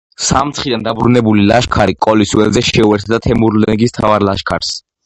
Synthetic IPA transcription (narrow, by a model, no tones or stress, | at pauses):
samt̪sʰχid̪and̪abɾunɛbulila̰ʃkʰaɾikʼɔliswɛlzɛʃɛuɛɾt̪ʰd̪at̪ʰɛmuɾlɛɡist̪ʰavaɾlaʃkʰaɾs